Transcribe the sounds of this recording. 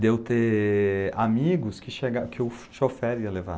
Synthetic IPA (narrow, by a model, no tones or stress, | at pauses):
d̪ewt̪e | amiɡʊskɪʃeɡakʰɪwʃofɛɾiɐleva̰